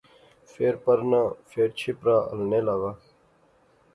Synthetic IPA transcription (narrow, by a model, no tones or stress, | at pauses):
feːɾpəɾnãːfeːɾt͡ʃʰipɾãːʔə̰lneːlaːɡaː